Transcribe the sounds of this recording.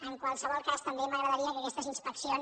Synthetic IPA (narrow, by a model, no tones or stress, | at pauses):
əŋkwəlˠsəβɔlˠkast̪əmbeməɣɾəðəɾiəkəkɛst̪əzinspəksion